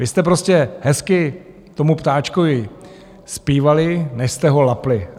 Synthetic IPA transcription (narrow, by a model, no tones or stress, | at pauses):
vɪst̪ɛpɾo̞scɛɦɛskɪ | t̪o̞mupt̪aːt͡ʃkovɪ | spiːvalɪnɛʃst̪ɛɦo̞laplɪ